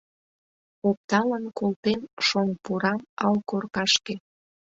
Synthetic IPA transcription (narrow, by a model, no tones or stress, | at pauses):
op̚t̪ɑlənkolt̪emʃoŋpuɾɑmɑlkorkɑʃke